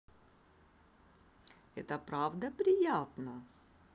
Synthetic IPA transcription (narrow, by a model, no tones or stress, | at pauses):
ɛ̰t̪əpɾavd̪əpɾʲɪjat̪nə